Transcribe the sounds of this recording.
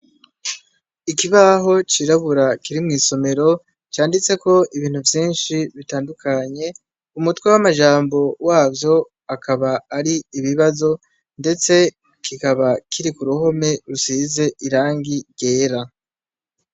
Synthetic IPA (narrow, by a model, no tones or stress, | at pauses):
ikiβaɦo̞t͡ʃiɾaβuɾakiɾimŋiːso̞me̞ɾo̞ | t͡ʃaːndit͡se̞ko̞iβiːn̥uvjiːnʃiβitaːndukʰaɲe̞ | umutwewamaʒaːmbo̞waːvjo̞ | akʰaβaːɾiːβiβazo̞ | nde̞t͡se̞ | kikaβakʰiɾikuɾuho̞me̞ɾusize̞ʔiɾaːŋɡiɡ̥e̞ːɾa